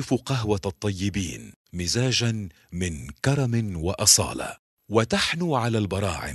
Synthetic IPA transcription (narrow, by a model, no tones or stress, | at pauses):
ɪfuqaɦwat̪ˤːɑjːɪbḭːn | mɪzaːʒan | mɪnkɑɾˤɑmɪnwaʔɑsˤɑ̰ːla̰ | wat̪aħnuːʕalaːlbɑɾˤɑ̰ːʕɪ̰m